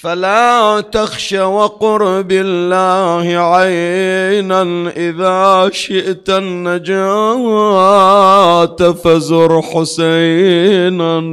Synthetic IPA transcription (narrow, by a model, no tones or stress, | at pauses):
falaːt̪axʃawaqʊɾbɪlːaːhɪʕajnanʔɪðaːʃɪʔt̪anːad͡ʒaːa | t̪afazʊɾħʊsajna